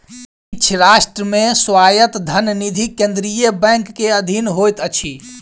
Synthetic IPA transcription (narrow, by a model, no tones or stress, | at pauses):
it͡ʃʰɾasʈɾəmẽswajət̪d̪ʱənnid̪ʱikẽnd̪ɾijəbɛ̃ŋkːeəd̪ʱinɦojt̪ət͡ʃʰi